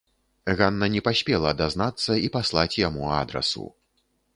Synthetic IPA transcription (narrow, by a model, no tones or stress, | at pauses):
ɣanːɐnʲɛpasʲpʲɛlˠɐːd̪aznat̪sːɐipaslˠat͡sʲjamua̰d̪ɾɐ̰sṵ